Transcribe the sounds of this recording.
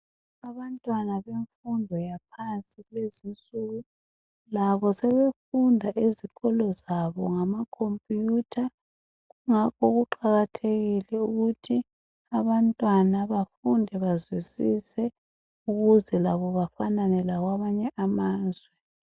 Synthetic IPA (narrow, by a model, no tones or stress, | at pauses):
aβantʼwanaβeɱfundʱɔjapʰansʼiɣwezint͡sʼuɣu | laβɔsɛβefundʱaʔiziɣɔlɔzaβɔŋamakʰompʼjutʰa | ɣuŋakʰɔɣuǃaɣatʰeɣilɛuɣutʰi | aβantʼwanaβafundʱɛβazwisisɛ | uɣuzɛlaβɔβafananɛlaɣwaβaɲɛʔamaːzwɛ